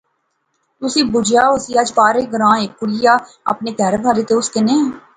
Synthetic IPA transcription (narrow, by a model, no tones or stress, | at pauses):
t̪ʊsĩːbʊd͡ʒaːʊsiːəd͡ʒpaːɾeːɡəɾãːeːkːʊɽɪjaː | ə̰pneːt̪ɛɾbʱaːɾeːt̪eːʊskɪnẽː